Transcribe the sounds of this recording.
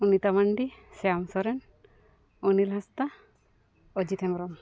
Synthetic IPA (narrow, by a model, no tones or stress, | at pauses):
unit̪amaɳɖisɛamsɔɾɛn | ɔnilɦast̪a | ɔd͡ʒit̪ʰɛmɾɔm